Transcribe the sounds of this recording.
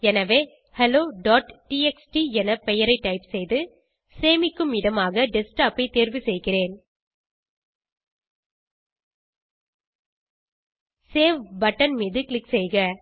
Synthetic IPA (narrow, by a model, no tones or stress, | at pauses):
ɛnɐʋeː | hɛloːɖaːʈʈiːɛksʈiɛnɐpɛjɐɾɐɪʈːɐɪpsɛjðɯ | seːmɪkːɯmɪɽɐmaːɣɐɖɪsʈaːpɐɪt̪eːɾʋɯsɛjɣɪreːn | seːʋbɐʈːɐnmiːðɯklɪksɛjɣɐ